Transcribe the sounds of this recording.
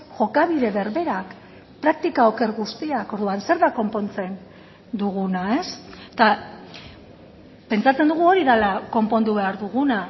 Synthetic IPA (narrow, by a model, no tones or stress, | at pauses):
ʝo̞kaβiðe̞βe̞ɾβe̞ɾak | pɾak̚t̪ikaoke̞ɾɣust̪iako̞ɾðuanse̞ɾðako̞mpo̞nt͡se̞n | d̪uɣ̞unae̞st̪a | pe̞nt͡sat͡se̞nd̪uɣ̞uo̞ɾiðalako̞mpo̞nd̪uβe̞aɾðuɣuna